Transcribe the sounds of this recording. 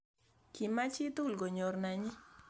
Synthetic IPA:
ki˨ma˦t͡ʃi˦t̪u˦˨lɡo˨ɲo˨rna˨ɲɪ˦

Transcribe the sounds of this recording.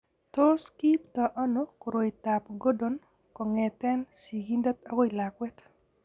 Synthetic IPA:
to˦ski˦p̚ta˨ʔɔ˦noko˨ɾo˨ita˨pɡo˦don | kɔ˨ŋɛ˨tɛ˦nsi˨ɡi˦nda˦t̪a˦ɡo˦i˨la˨kwɛ˦t̪

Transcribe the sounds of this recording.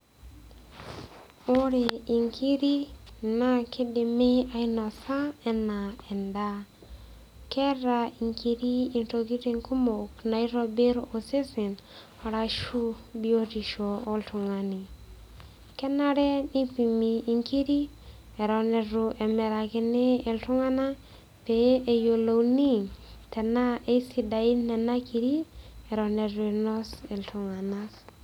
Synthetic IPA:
o˦ɾe˨i˨ŋkʰi˦ɾi˦na˦kʰi˦di˨me˦a˦jno˨sa˦e˨nːa˨e˨nda˦ | ke˦ɾa˧i˨ŋki˧ɾi˦i˨nto˨ɡi˦ɾi˦˧ŋku˦mo˨kna˨jɾo˧be˦ɾo˨se˦si˨n | a˨ɾa˧ʃu˦bi˦o˦ti˨ʃo˨o˦ltu˨ŋa˨ni˨ | kɛ˦na˦ɾɛ˦ni˦pi˨miː˨ŋki˦ɾi˦ | e˨ɾɔ˨ne˨ɾu˨ʔɛ˨mɛ˨ɾa˨ki˦neː˦˨ltu˦ŋa˦na˦ | pe˨e˨jo˨lo˨wni˦tɛ˨na˦e˦si˦da˨i˦nːɛ˨na˦kʰi˨ɾi˦ɛ˨ɾɔ˨ne˨ɾnɔ˦se˨ltu˨ŋa˨na˦s

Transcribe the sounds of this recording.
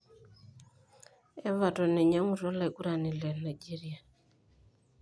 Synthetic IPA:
e˦βa˨tɔ˨ne˨ɲa˦ŋu˨rɔ˦la˦i˨ku˦ɾa˨ni˨le˨na˨jd͡ʒi˦ɾi˦a˨

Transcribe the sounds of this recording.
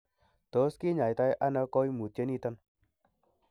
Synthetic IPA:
to˨˦ski˦ɲa˨jta˧jʔa˦na˧kɔ˦jmu˨te˦ni˦˧ta˦n

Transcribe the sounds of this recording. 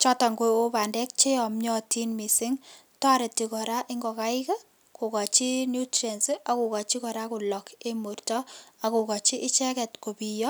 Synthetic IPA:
t͡ʃɔ˦ta˨ŋɡoo˦pa˨ndɛ˦k̚t͡ʃe˦ɔ˨mɲɔ˦ti˦nmi˨sɪ˦ŋ | tɔ˦ɾe˨tːi˨kɔ˨ɾa˦ʔɪ˦ŋɡɔ˨ka˦ɪ˦ka˦ | ko˨ka˨t͡ʃi˦nju˦tɾe˨nsia˨ku˨ka˨t͡ʃi˦kɔ˨ɾa˦ku˨lɔ˨ke˦mu˨rtɔ˦a˨ko˨kɔ˨t͡ʃi˦ʔɪ˦t͡ʃɛ˦kɛ˨tko˨pi˨jɔ˦

